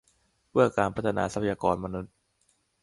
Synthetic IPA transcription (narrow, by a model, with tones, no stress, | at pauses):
pɯ˥˩ɐkaː˧npʰt̪ʰa˧na̰ː˧sa˧pʰa˧jaː˧kɔː˧nma˧nu˦˥t̪̚